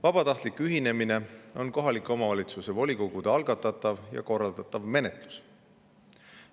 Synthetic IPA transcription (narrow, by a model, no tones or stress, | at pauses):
vɑb̥ɑt̪ɑht̪likyɦine̞mine̞o̞nko̞ɦɑlikˑːo̞mɑvɑlʲit̪suse̞vo̞lʲiko̞ɡ̥ud̪̥eɑlɡ̥ɑt̪ːˑɑt̪ːˑɑvjɑ̰ko̞rːɑld̪ɑt̪ːˑɑvme̞ne̞t̪ˑlu̥s